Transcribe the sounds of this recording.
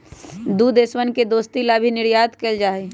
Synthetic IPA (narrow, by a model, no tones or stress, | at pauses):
d̪ud̪eswənked̪oːst̪ilabʱinɪɾjaːt̪keːld͡ʒaːe